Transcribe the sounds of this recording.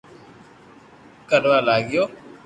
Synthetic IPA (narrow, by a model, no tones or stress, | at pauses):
kəɖalaːɡɪjoː